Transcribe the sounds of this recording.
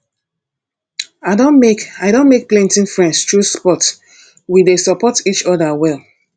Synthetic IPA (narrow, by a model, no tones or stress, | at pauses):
aɪdõnmekaɪdõnmek̚plɛ̃ntĩnfɹɛ̃ndstɹuspɔt | widesɔpɔtit͡ʃɔðawɛlˠ